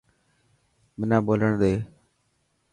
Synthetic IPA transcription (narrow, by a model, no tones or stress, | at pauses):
mɪnãːboːləɳd̪eː